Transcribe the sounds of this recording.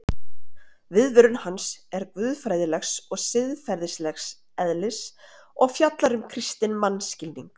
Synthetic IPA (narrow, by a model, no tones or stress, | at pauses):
vɪðvʏɾʏnhansɛɾkvʏːðfɾajðɪlɛxsɔɣsɪðfɛɾðɪslɛxs | ɛðlɪs | ɔɣfjat̪laɾʏmkʰɾist̪ɪnmanscɪlniŋk